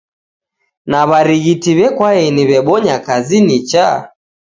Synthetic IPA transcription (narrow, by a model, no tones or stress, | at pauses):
naβaɾiɣitiβɛkwaɛniβɛɓɔɲakazinit͡ʃa